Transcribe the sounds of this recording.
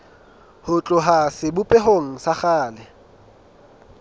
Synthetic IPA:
hʊt͡ɬʼʊɦasɪbʊpʼɛɦoŋ̩saχaːlɪ

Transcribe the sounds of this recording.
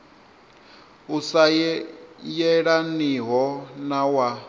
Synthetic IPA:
usaj | jɛɺaniɦɔnawa

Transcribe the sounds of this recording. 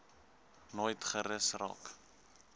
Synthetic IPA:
nojtχəɾəsrɑ̰ːk

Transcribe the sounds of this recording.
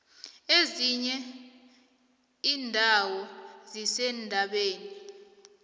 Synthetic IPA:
eziɲɛ | iːndʱawɔzisɛndʱaɓeːni

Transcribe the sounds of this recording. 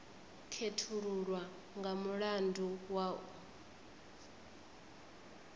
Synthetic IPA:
kʰetʰuɺuɺwa | ŋɡamuɺanduwau

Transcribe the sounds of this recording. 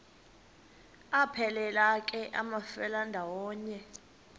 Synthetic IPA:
apʰɛlɛlakʼɛʔa̰mafɛlandʱawɔːɲɛ

